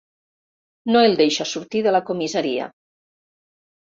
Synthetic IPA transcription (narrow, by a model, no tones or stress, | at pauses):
noelˠd̪ejʃasuɾt̪iðəlakomizaɾia̰